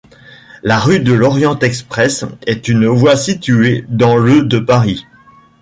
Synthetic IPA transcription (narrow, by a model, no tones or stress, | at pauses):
laʁyd̪əlɔʁjɑ̃t̪ɛkspχɛsɛt̪ynvwasit̪yed̪ɑ̃lød̪əpaʁi